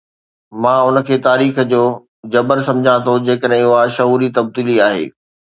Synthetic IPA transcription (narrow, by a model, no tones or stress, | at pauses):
mãːʊnə̆kʰeːt̪aːɾiːxd͡ʑoː | d͡ʑɐbəɾsɐ̃md͡ʑʱãt̪ʰod͡ʑeːkəɗɦẽʊɦaʃɐɦuːɾit̪ɐb̚d̪iːliaːɦḛː